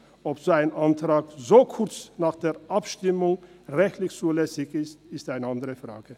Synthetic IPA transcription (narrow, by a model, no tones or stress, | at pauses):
ʔɔpz̥oːaɪnʔantʁ̥aːkzoːkʰʊɐt͡snaːχd̥eːɐʔapʃtɪmʊŋ | ʁɛçtlɪçt͡suːlɛsɪçɪstɪstaɪnəandəʁəfʁ̥a̰ːɡ̥ə